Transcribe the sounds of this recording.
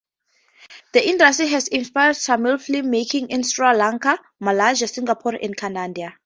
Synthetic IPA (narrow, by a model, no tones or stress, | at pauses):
dəʔĩndastiɦɛzĩnspajad̥samilflimmːekʰĩŋĩnsɹalãŋkʰa | malaʒasĩŋɡapʰɔɹɛ̰̃nkʰanãndia